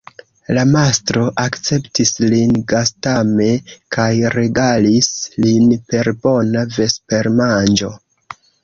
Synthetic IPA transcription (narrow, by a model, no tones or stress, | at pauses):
lamastɾo̞ʔakt͡se̞ptislinɡastame̞kʰajɾe̞ɡalislinpe̞ɾbo̞nave̞spe̞ɾmand͡ʒo̞̰